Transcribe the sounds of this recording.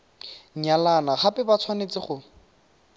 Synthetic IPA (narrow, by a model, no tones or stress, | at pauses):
ɲalanaχapʼɛbat͡sʰwanet͡sɪχʊ